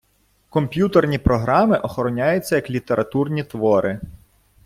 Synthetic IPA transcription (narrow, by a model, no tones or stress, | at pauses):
kɔmpʲjut̪ernʲipɾɔɦɾɑmɪʔɔxɔɾɔnʲajʊt͡sʲːɐjɐklʲit̪e̞ɾʔɐt̪urnʲit̪ʋɔɾʔɪ